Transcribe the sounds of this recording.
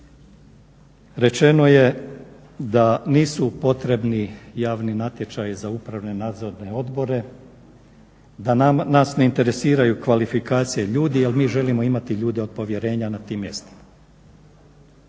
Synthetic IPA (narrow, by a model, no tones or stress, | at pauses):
ɾe̞t͡ʃe̞no̞je̞ | d̪aniːsupo̞t̪ɾe̞bnijaːʋninat̪je̞t͡ʃ̪ajizaupɾaʋne̞naːd̪zoɾne̞o̞d̪bo̞ɾe̞ | d̪ananasne̞int̪e̞ɾe̞siːɾajukʋalifikaːt̪sijeʎuːd̪ialmiːʒe̞limo̞imat̪iʎuːd̪eod̪̚po̞ʋje̞ɾe̞ːɲanat̪iːmːje̞̰st̪i̥ma